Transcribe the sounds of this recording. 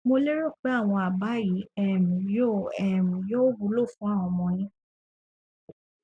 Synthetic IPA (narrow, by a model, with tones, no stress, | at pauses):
mo˧le˦ɾo˦˨k͡pe˨˦a˦˨w̃ɔ̃˧a˨ba˨˦ji˨˦ɛ˨mĩ˨jo˦˨ɛ˨mĩ˨jo˦o˦bu˨˦lo˦˨fũ˦a˦˨w̃ɔ̃˧mɔ̃˧jĩ˦